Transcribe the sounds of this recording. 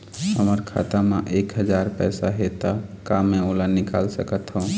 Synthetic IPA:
ɦəməɾkʰa̰t̪ameʔekɦəd͡ʒaɾpɛjsaɦet̪akamẽolanika̰lsəkət̪ɦũũ

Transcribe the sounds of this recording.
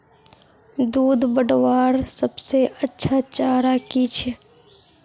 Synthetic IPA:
d̪uːd̪bəɖwaːɾsɐbseʔɐtːʃʰat͡ʃaːɾakit͡ʃʰe

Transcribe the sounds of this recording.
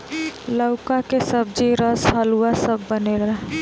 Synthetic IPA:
ləʊkakesəb̚d͡ʒiɾəsɦəluwasəbːənela

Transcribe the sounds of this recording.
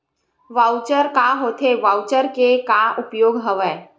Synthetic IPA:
ʋaːʊt͡ʃəɾkaɦoːt̪ʰeʋaːwt͡ʃəɾkekaʔʊpjoːɡɦəʋəː

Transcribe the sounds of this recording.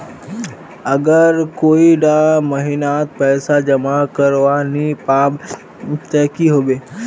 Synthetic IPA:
əɡəɾkoːiɖaməɦinat̪̚pɛːsad͡ʒəmakəɾʋanipaːb | t̪ɛːkiɦoːʋeː

